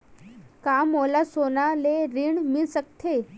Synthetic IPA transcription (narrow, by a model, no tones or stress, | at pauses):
kamolasonaleɾiɳmisək̚t̪ʰe